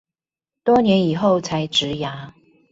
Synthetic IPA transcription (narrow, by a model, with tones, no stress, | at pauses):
t̪wɔ˦njɛ˨˦ni˨˩xo˥˨ʊt͡sʰa˨˦ɪʈ͡ʂɻ̩˨˦ja˧˦